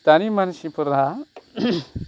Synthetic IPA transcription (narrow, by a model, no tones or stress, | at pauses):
t̪animanʃipuɾa